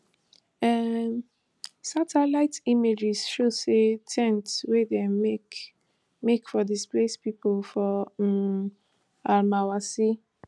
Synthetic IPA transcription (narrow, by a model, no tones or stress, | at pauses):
ɛ | satʰɛlaɪtimed͡ʒisʃosetʰɛ̃ntwedemek | mekfɔdisplespipolfɔ | almawasi